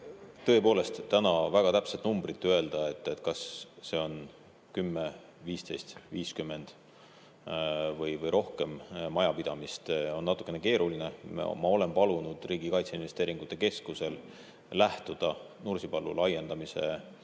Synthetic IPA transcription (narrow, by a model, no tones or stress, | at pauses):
t̪ɤ̞epo̞ːle̞st̪t̪ːænɑvæɡ̥ɑt̪æpset̪numb̥rit̪ːye̞ld̪̥ɑe̞t̪ːˑet̪ˑkɑsːe̞o̞n | kymːe | viːst̪e̞jst̪viːskymːe̞nd̪̥ | vɤjvɤjɾo̞hke̞mːɑjɑpid̪ɑmist̪o̞nːɑt̪ːˑu̥kːˑeneke̞ːɾuline̞m̰mɑo̞le̞mpɑlunud̪̥riːɡ̥ikɑjt̪seinve̞st̪e̞ːɾiŋɡ̥ut̪ːˑe̞ke̞skuse̞l | læht̪ud̪̥ɑnursipɑlːṵlɑje̞nd̪̥ɑmise̞̰